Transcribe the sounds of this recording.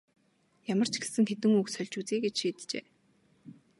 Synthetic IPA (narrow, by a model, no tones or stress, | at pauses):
jamə̆r̥t͡ɕʰɡe̥sɘ̆ŋxet̪ɘ̆ŋuksœɮʲt͡ɕuːt͡siːɡet͡ɕʃiːt̪t͡ɕḛː